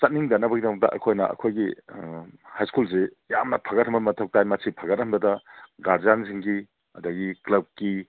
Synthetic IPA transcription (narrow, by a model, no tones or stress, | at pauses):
sɐt̚niŋdanːɐbɐɡidoŋ̚tɐ̰ʔɐ̰kʰojnɐ̰ʔɐ̰kʰojɡi | hajskulse | jamnɐpʰɐɡɐt̚hɐmbɐmɐtʰɐk̚tajmɐsʰipʰɐɡɐt̚ɦɐmbɐdɐɡaɾzanziŋɡi | ɐdɐɡiklɐb̚ki